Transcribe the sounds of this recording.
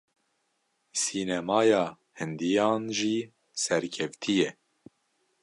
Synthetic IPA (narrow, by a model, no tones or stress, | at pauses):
siːnɛmɑːjɑː | hɨnd̪ijɑːnʒiː | sɛɾkʰɛft̪ʰijɛ